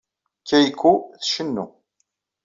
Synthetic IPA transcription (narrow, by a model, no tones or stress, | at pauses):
kːæjkːuθʃənːu